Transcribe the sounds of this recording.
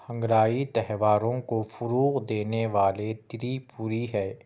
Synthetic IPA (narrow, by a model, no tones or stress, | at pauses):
hɐ̃ŋɡɾaːit̪ɛɦʋaːɾõkofʊɾuːɣd̪eːneʋaːlet̪ɪɾipuːɾiɦɛː